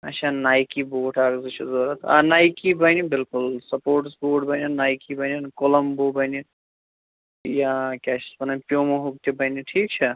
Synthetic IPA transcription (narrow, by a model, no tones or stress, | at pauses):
ɐ̰t͡ʃʰanajkiboːʈʰaɡzɐt͡ʃʰezoɾɐt̪ʰa̰najkibənibilkulsɐpoːɾʈsboːʈbɐninajkibəninkoləmbobəni | jakʲat͡ʃʰi̥sbɐnapjomoɦuk̚t̪ʰibəniʈʰiːk̚t͡ʃʰɐ